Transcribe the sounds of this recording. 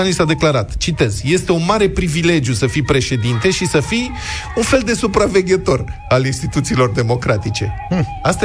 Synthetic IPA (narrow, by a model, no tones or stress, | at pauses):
anisad̪e̞klaɾat̪t͡ʃit̪e̞z̥je̞st̪e̞unmaɾe̞pɾivile̞d͡ʒjusəfijpɾe̞ʃe̞d̪int̪e̞ʃisəfij | unfe̞ld̪e̞supɾave̞ɡʲe̞t̪o̞ralinst̪it̪ut̪siːlo̞rd̪e̞mo̞kɾat̪it͡ʃe̞ast̪